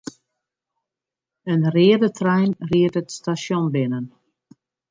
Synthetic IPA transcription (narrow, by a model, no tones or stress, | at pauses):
ənrɪədətrɛjnriətətstasjɔnbɪnən